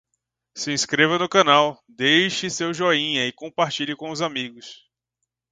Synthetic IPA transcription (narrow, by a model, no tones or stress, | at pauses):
sɪĩskɾevɐnʊkɐ̃naw | d̪ejʃɪsewʒoĩɲɐɪkõpaɾt͡ʃiʎɪkõʊzamiɡʊs